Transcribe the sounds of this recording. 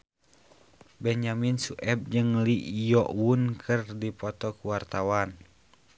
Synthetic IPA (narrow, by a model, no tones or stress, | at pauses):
bɛɲaminsuʔɛb̚d͡ʒɨŋliʔjɔʔwunkʰərdipɔt̪ɔkuwart̪awan